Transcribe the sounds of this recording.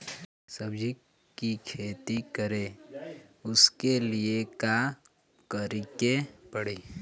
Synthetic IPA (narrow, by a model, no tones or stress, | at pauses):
səbd͡ʒikː | ikʰeːt̪ikəɾe | ʊskelieka | kəɾikepəɽiː